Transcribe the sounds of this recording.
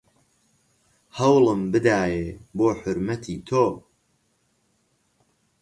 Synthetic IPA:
hɐwlˠɨmbɨd̪aːjeːboːħʊɾmɐt̪ʰiːt̪ʰoː

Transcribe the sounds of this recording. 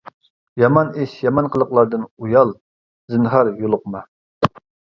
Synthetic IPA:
jɑmɑniʃjɑmɑnqʰəlˠəqlˠɑɾd̪ɨnujɑlˠ | zɨnχɑɾjolˠʊqmɑ

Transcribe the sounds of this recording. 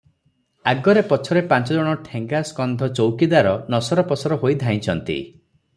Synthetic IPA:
aɡɔɾepɔt͡ʃʰɔɾepãnt͡ʃɔd͡ʒɔɽ̃ɔʈʰeŋɡaskɔnd̪ʱɔt͡ʃowkid̪aɾɔnɔsɔɾɔpɔsʰɔɾɔɦojd̪ʱaj̃t͡ʃʰɔnt̪ḭ

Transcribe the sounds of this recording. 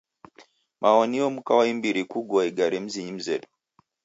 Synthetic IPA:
mʔaɔniɔm̩kawaimbiɾikuɡɔaiɡaɾim̩ziɲim̩zɛɗɔ̥

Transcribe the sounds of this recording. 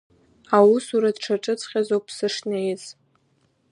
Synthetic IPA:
awusuɾadʈ͡ʂʰaʈ͡ʂʼɨt͡sʰʼχʲazowpʰsɨʂnejz

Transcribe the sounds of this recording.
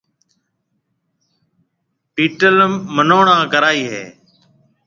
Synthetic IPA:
piːʈəlmːənoːɳãːkəɾaːiːɦḛː

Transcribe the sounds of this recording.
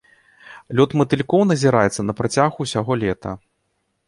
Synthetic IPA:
lʲɔt̪mɐt̪ɨlʲkɔwnɐzʲiɾajɛt̪sːɐnɐpɾat͡sʲaɣuːsʲaɣɔlʲɛt̪ʰɐ̰

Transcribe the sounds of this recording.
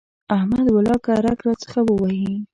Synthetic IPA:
ahmad̪walɑkaɾakɾɑt͡sə̥xawəwaji

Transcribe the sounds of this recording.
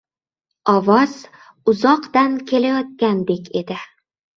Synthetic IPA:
ɒvɒz̥ | ʊzɒqd̪ankʲʰe̞lajɒt̪̚kʲand̪e̞kʲʰe̞d̪ɪ

